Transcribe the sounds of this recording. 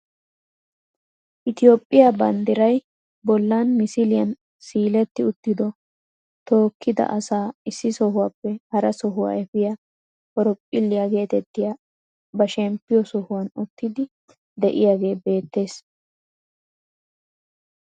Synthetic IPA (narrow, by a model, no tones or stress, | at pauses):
ʔɪt̪ɪjo̞ːpʼːɪjabɐnd̪ɪɾɐj | bɔlːanmɪsɪlɪjɐn | siːlɛt̪ːɪʊt̪ːɪd̪ɔ | t̪o̞ːkːɪd̪ɐ̰ʔɐsaːɪsːɪsɔɦʊwaːpːɛhɐɾɐsɔɦʊwa̰ɛfɪja | ɔɾɔpʼːɪlːɪjaɡe̞ːt̪ɛt̪ːɪja | bɐʃɛmpːɪjɔsɔhʊwɐnʊt̪ːɪd̪ɪ | d̪ɛʔɪ̰jaːɡe̞ːbe̞ːt̪ːe̞ːs